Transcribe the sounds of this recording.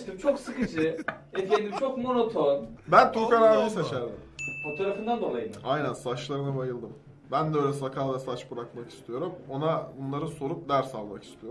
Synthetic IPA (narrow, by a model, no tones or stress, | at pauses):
ʃt̪imt͡ʃʰo̞ksɯkɯd͡ʒɯefejd̪imt͡ʃʰokmo̞not̪ʰonbænt̪ʰokaɾaːmisaʃaɾd̪ɯfot̪ʰaɾafɯnd̪and̪o̞lˠajɯnajnænsat͡ʃlˠaɾɯnabajɯlˠd̪ɯm | bænd̪ɛøjlʲɛsakʰavɛsat͡ʃbɯɾakmaki̥st̪ʰijo̞ɾumo̞nabunlˠaɾɯso̞ɾup̚d̪æɾsalˠmaki̥st̪ʰijom